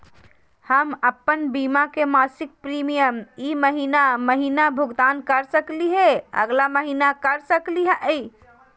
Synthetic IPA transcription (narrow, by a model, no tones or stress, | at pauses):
həməpːənbimakemasɪk̚pɾimijəmiməɦinaməɦinabʱuɡt̪ankəɾsəkliɦẽə̰ɡlaməɦinakəɾsəkliɦɛi